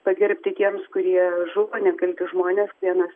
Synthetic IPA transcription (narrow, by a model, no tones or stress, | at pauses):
pɐɡʲɪɾʲpʲt̪ʲɪt̪ʲiɛmskʊɾʲiɛʒʊʋoːnʲɛkɐlʲkʲɪʒmoːnʲeːskʋʲiɛnɐs